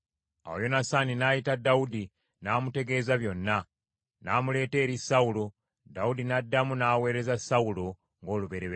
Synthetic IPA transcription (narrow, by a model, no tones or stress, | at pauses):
a̰wo̰jo̞nasaninaːjitadaudi | naːmute̞ɡe̞ːzaβjo̞nːa | naːmule̞ːte̞ːɾisaulo̞ | daudinadːamunaːwe̞ːɾe̞zasaulo̞ | ŋɡo̞ːluβe̞ɾeβ